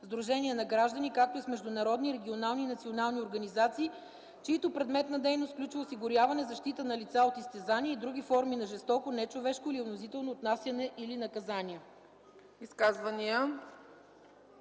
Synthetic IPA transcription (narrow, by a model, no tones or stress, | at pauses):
zd̪ɾuʒɛnʲiɛnɐɡɾaʒd̪ənikak̚t̪oismɛʒd̪ʊnɐɾɔd̪niɾɛɡʲionalˠninɐt̪sionalˠnioɾɡɐnizat̪siː | t͡ʃɛit̪opɾɛd̪mɛt̪nɐd̪ɛjnost̪klʲut͡ʃvəʊsiɡʊɾjavɐnɛzɐʃt̪it̪ənɐlit̪saot̪ist̪ɛzaniɛid̪ɾuɡʲifɔɾminɐʒɛst̪ɔkonɛt͡ʃovɛʃkʊilionozit̪ɛlˠnoːt̪nasʲjɐnɛʔilinɐkɐzaniə | iskazvɐniə